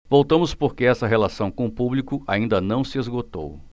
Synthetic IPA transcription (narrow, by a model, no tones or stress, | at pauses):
vowt̪ɐ̃mʊspoɾkeɛsɐɦelasɐ̃w̃kõʊpublikʊaĩnd̪ɐnɐ̃w̃sɪezɡot̪o̰w